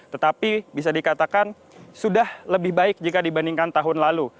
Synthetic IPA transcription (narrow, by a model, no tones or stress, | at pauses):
t̪ət̪apibis̬adikat̪akan | sudahləbɪhbaɪk̚d͡ʒikadibandiŋkant̪aɦʊnlalu